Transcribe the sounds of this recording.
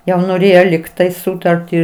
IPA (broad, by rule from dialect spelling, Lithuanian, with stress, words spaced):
jɛʊ noːˈrʲeːjoː lʲɪkˈtɐɪ ˈsʊtɐrʲtʲiː